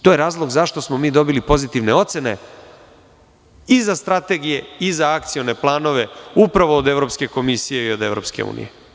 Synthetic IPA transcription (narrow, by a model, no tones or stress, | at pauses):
t̪oje̞ɾaːzlˠo̞ɡzaʃt̪o̞smo̞miːd̪o̞bilipo̞zit̪iʋne̞o̞t̪sene̞̰ | izast̪ɾat̪e̞ɡije̞izaak̚t̪sijone̞plˠaːno̞ʋe̞upɾaʋoːd̪e̞ʋɾo̞ːpske̞ko̞misijeio̞d̪e̞ʋɾo̞pske̞̰ṵːnḭje